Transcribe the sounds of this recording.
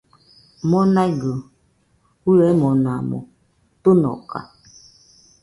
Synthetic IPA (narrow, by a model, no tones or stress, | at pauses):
mɔnaɡə | kuɾɛmɔnamɔ̰ | tonɔ̰ka̰